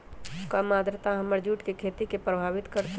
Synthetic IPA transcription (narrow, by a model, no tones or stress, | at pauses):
kamaːd̪ɾət̪aɦɐməɾd͡ʒuːʈkekʰeːt̪ikepɾəbʱaːʋɪt̪kəɾt̪